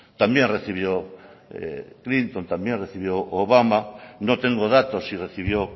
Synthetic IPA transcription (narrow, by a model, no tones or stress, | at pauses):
t̪amjẽnreθiβjoḛklint̪ont̪ambjẽnreθiβjoʔoβamanõt̪eŋɡoðat̪osireθiβ̞jo